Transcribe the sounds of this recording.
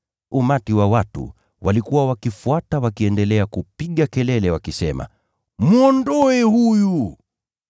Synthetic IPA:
umatiwawatṵ | wʔalikuwawakifuatawakiɛndɛlɛakupiɠakɛlɛlɛwakisɛma̰ | muɔndɔɛhuju

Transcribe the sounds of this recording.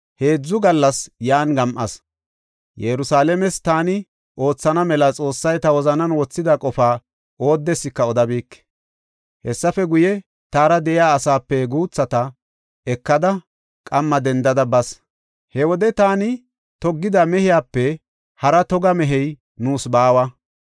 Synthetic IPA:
he̞ːd͡zːʊɡɐlːɐsjaːnɡɐmʔɐ̰s | jɛɾʊsaːlɛmɛst̪aːnɪ | ʔo̞ːt͡sːɐnɐmɛlɐt͡sʼo̞ːsːɐjt̪ɐwɔzɐnɐnwɔt͡sːɪd̪ɐkʼɔfaː | o̞ːd̪ːɛsːɪkːɐɔd̪ɐbiːkː | hɛsːɐfɛɡʊjɛ | t̪aːɾɐd̪ɛʔɪjaːsaːpːɛɡuːt͡sːɐt̪ɐ | ɛkːɐd̪ɐ | kʼɐmːɐd̪ɛnd̪ɐd̪ɐbɐs | hɛwɔd̪ɛt̪aːnɪ | t̪ɔɡːɪd̪ɐmɛhɪjaːpːɛ | hɐɾɐt̪ɔɡɐmɛɦɛj | nuːsbaːwɐ

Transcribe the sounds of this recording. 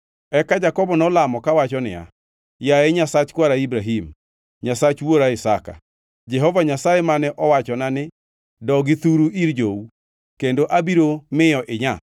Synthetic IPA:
ɛkad͡ʒakɔbɔnɔlamɔkawat͡ʃɔnɪ̰ja̰ | jaeɲasat͡ʃkwaɾaibɾaɦim | ɲasat͡ʃwoɾaɪsaka̰ | d͡ʒɛɦɔvaɲasajemanɛʔɔwat͡ʃɔnanɪ | dɔɡɪt̪uɾuiɾd͡ʒou | kendoʔabiɾomɪjɔʔɪɲa̰

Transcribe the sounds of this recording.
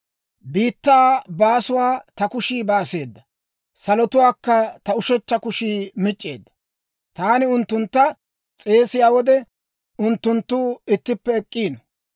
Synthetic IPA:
biːt̪ːaːbaːsʊwaːt̪ɐkʊʃiːbaːse̞ːd̪ːɐ | sɐlɔt̪ʊwaːkːɐt̪ɐʊʃɛt͡ʃːɐkʊʃiːmɪt͡ʃʼːḛːd̪ːɐ̥ | t̪aːnɪʊnt̪ːʊnt̪ːɐ | t͡sʼe̞ːsɪjaːwɔd̪ɛ | ʊnt̪ːʊnt̪ːuːɪt̪ːɪpːɛːkʼːiːnɔ

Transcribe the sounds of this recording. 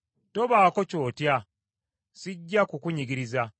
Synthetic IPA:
to̞βaːko̞co̞ːtja | siɟːakukuɲiɡiɾiza

